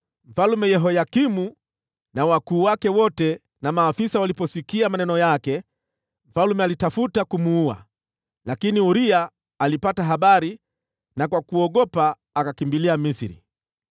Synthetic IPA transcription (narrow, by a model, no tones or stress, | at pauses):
m̩falumɛjɛɦɔjakimu | nawakuːwakɛwɔtɛ | namaːfisawalipɔsikiamanɛnɔjakɛ | m̩falumɛalitafutakumuua̰ | lakiniuɾiaː | lipataɦaɓaɾi | nakwakuɔɠɔpaː | kakimbiliamisiɾḭ